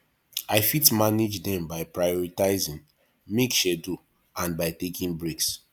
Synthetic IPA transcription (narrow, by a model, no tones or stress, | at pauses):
aɪfitmaned͡ʒdɛ̃mbaɪpɹajɔɹitaɪzĩŋ | mekʃɛdu | ãnbaɪtekĩŋbɹeks